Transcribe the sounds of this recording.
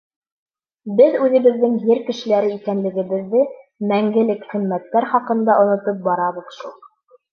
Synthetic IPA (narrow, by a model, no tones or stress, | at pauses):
bɘðʉðɘ̆βɘ̆ðːɘŋɦɘɾkɘ̆ʃɘ̆læɾɘikænlɘ̆ɡɘ̆βɘ̆ðːɘ | mæŋɡɘ̆lɘkχĭmmːæt̪ːæɾχɑqɤ̆nd̪ɑʔŏnŏt̪ɤp̚bɑɾɑβɤ̆ðʃulˠ